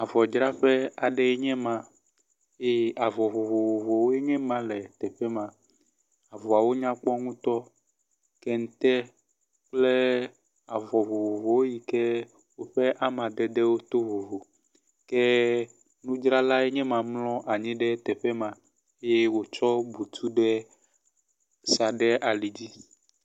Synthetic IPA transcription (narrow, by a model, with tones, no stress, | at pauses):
a˨vɔ˨d͡ʒɾa˦ɸɛ˦a˨ɖɛ˨ɛ˦ɲɛ̃˦mã˨ | e˦a˨vɔ˨vo˨vo˨vo˨vo˨wo˦e˦ɲɛ̃˦mã˦lɛ˨t̪ɛ˨ɸɛ˦mã˨ | a˨vo˨a˨wo˦ɲã˦k͡pɔ˦ŋũ˦t̪ɔ˦ | kɛ˦ŋ̩˦t̪ɛ˦ | k͡plɛ˦ | a˨vɔ˨vo˨vo˨vo˨wo˦ji˨kɛ˦ | wo˦ɸɛ˦ʔa˦mã˨d̪ɛ˦d̪ɛ˦wo˦t̪o˦vo˨vo˨ | kɛ˦ | nũ˦d͡ʒɾa˦la˦e˦ɲɛ̃˦mã˨mlɔ̃˦ʔa˨ɲĩ˦ɖɛ˦t̪ɛ˨ɸɛ˦mã˨ | e˦je˦wo˦t͡ʃɔ˦bu˨t̪ʰu˦ɖɛ˦ | sa˨ɖɛ˦ʔa˨li˨d͡ʑi˦